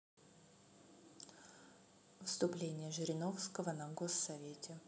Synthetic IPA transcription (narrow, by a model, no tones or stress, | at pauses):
fst̪ʊplʲenʲɪjəʐɨɾʲɪno̞fskəvənɐɡosːɐvʲetʲɪ